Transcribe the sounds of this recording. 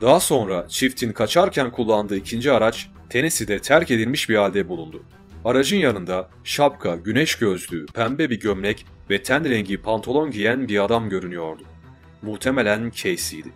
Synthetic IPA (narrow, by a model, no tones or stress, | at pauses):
d̪aːso̞nɾat͡ʃʰift̪ʰinkʰat͡ʃʰaɾcʰænkʰulˠːand̪ɯːicʰind͡ʒiaɾat͡ʃ | t̪ʰe̞nisid̪ɛt̪ʰæɾce̞d̪ilʲmiʃbiɾalʲd̪ɛbulˠund̪u | aɾaʒɯnjanɯnd̪a | ʃapkʰaɟynɛʃɟø̞zlʲypʰæmbɛbiɟømɾɛc | vɛt̪ʰænɾɛɲɟipʰant̪ʰolˠo̞nɟijænbiɾad̪amɟø̞ɾynyjo̞ɾd̪ʊ | muht̪ʰe̞melʲæncʰejsijd̪i